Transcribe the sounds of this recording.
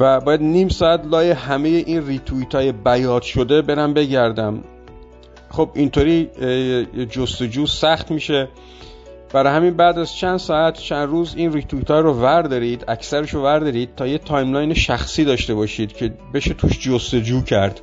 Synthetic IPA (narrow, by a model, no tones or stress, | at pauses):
væbɒːjæd̪niːmsɒːæt̪lɒːjehæme̞jeʔiːnriːt̪ʰuit̪ʰɒːjebæjɒːd̪̥ʃod̪ebe̞ɾæmbe̞ɟæɾd̪æm | χo̞bint̪ʰoːɾiː | d͡ʒost̪o̞d͡ʒuːsæxt̪miːʃe̞ | b̥æɾɒːhæminbæːd̪æzt͡ʃʰænd̪sɒːæt̪ʰt͡ʃʰænd̪ɾuːziːnrit̪ʰuit̪ʰɒːɾovæɾd̪ɒɾiːd̪æksæɾeʃovæɾd̪ɒɾiːd̪̚t̪ʰːɒːjet̪ʰɒːjmlɒjneʃæxsiːd̪ɒːʃt̪e̞bɒːʃiːd̪̥cʰe̞be̞ʃet̪ʰuːʃd͡ʒost̪o̞d͡ʒuːcʰæɾd̪̥